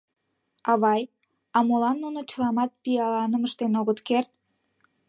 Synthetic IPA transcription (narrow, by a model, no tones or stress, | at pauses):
ɑβɑj | ɑmolɑnːunot͡ɕəlɑmɑt̪̚pijɑlɑnəməʃt̪enoɣət̪kert̪̚